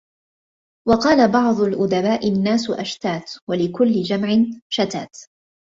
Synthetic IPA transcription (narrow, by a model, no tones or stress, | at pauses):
wɑqɑːlabɑʕd̪ˤʊlʔʊd̪abaːʔɪnːaːsʊʔa̰ʃt̪aːt̪walɪkʊlːɪd͡ʒamʕɪnʃat̪aːt̪